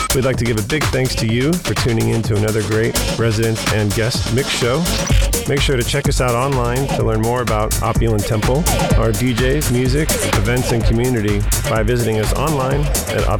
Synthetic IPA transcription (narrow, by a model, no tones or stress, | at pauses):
widˡlaɪk̚tʰɨɡɪvɨbɪɡ̚θæ̃ŋkstʰɨjɨfə˞tʰʉ̃nɪ̃ŋɪ̃ntʰʉənʌðə˞ɡɹeɪt̚ɹɛzɨɾɨ̃ntɨ̃nɡɛst̚mɪkʃoʊ | meɪkʃʊɹɾɨt͡ʃʰɛkʌsaʊɾɑ̃nlãɪ̃ntʰəlɜ̃˞nmɔɹɨbaʊɾʔɑ̰pjl̩ˠə̃ntʰɛ̃mpl̩ˠʊə˞did͡ʒeɪzmjʉzɪkʰ | ɨvɛ̃ntsɨ̃nkʰmjʉnɨɾi | b̥aɪvɪzɨɾɪ̃ŋʌsɑ̰̃nlãɪ̃n | ʔɨ̰ɾɑ̰